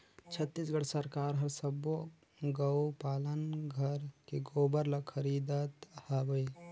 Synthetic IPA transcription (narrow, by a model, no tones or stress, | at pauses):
t͡ʃʰət̪ːisɡəɽsəɾkaːɾɦəɾsəbo | ɡəwpaːlənɡʱəɾkeɡoːbəɾlakʰəɾid̪ət̪habəi